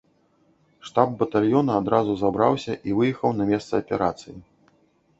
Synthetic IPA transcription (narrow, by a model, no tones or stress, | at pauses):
ʂt̪ab̚bɐt̪alʲjɔnɐːd̪ɾazuzabɾa̰wsʲɐʔivɨjɛxɐwnɐmʲɛst̪sɐɐpʲɛɾa̰t̪sɨji